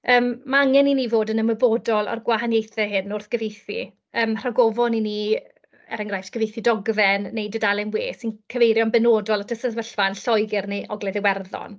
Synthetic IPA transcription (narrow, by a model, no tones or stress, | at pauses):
əːmːaaŋɛninivoːdənəməboːdɔlˠa̰rɡwaɦanjejθɛɦɨnːʊrθɡ̥əvejθḭ | əːmr̥aɡɔvɔnini | ɛ̰ɾəŋɡrajftʰɡ̥əvejθidɔɡvɛnːejdədalˠɪnwḛːsinkʰəvejɾjɔnbɛnoːdɔlˠatʰəsəðvəɬvanɬɔjɡɪrneʔɔɡlɛðɪwɛrðɔ̰n